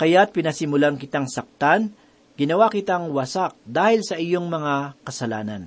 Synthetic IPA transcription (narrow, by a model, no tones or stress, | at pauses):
kɐjat̪̚pɪnɐsɪmʊlankɪt̪aŋsɐk̚t̪an | ɡɪnɐwakɪt̪aŋwɐsak̚d̪aːhɪlsɐʔɪjo̞ŋmɐŋakɐsɐlaːnɐn